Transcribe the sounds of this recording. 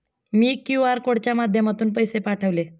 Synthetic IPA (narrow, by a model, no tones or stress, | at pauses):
miːkjuaɾkoɽt͡ɕjamad̪ʱjəmat̪uːnpəjsepaʈʰəʋle